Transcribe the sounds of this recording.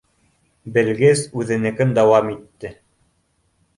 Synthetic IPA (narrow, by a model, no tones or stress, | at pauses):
bɘ̆lɡɘzʉðɘ̆nɘ̆kɘnd̪ɑwɑmit̪ːɘ